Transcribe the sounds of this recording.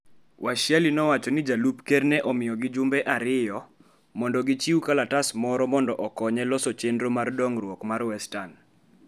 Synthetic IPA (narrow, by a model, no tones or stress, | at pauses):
wʔaʃjɛlinɔwat͡ʃɔnɪd͡ʒalupkɛrnɛʔɔmɪjɔɡɪd͡ʒʊmbɛʔaɾɪjɔ | mɔndɔɡɪt͡ʃiukalatasmɔɾɔmɔndɔʔɔkɔɲɛlɔsɔt͡ʃendɾomardɔŋrwɔkmarwɛstan